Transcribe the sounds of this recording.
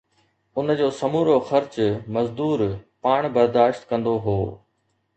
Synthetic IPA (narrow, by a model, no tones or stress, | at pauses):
ʊnd͡ʑoːsɐmuːɾoxɐɾt͡ɕmɐzd̪uːɾpaːɽ̃bɐɾd̪aːʃt̪kɐ̃nd̪oɦoː